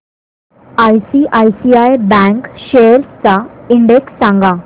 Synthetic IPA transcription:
ajsiʔajsiajbɛ̃ŋkɕeɾt͡saiɳɖeksːãŋɡa

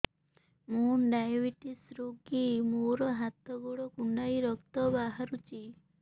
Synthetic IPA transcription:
mũɖajbiʈisɾoɡimoɾɔɦat̪ɔɡuɽɔkuɳɖajɾɔkt̪ɔbaɦaɾut͡ʃʰi

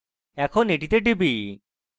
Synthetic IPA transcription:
ɛkʰɔneʈit̪eʈibi

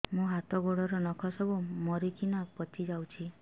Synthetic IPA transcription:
mũɦat̪ɔɡoɽɔɾɔnɔkʰɔsɔbumɔɾikinapɔt̪ʰid͡ʒawt͡ʃʰi

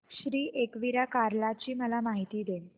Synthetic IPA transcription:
ɕɾiːʔekʋiɾakaɾlat͡ɕiːməlamaɦit̪iːd̪em

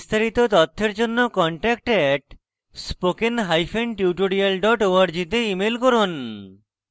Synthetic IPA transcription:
st̪ʰaɾit̪ot̪ɔt̪ʰːeɾd͡ʑonːokɔɳʈɛk̚ʈɛʈ | spokenɦajfeɳʈiuʈoɽialɖɔʈoaɾd͡ʑit̪̬eimelkɔɾon

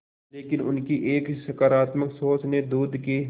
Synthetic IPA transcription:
leːkɪnʊ̰nkiʔeːkʃɐkaːɾaːt̪məksoːt͡ʃned̪uːd̪ʱki

